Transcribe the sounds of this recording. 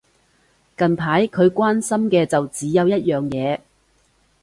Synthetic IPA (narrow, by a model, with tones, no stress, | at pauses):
kɐ˨npʰaː˨˥jkʰɵ˨˧ɥkʷaː˥nsɐ˥mkɛː˧t͡sɐ˨wt͡siː˨˥jɐ˨˧wjɐ˥t̚jœː˨ŋjɛː˨˧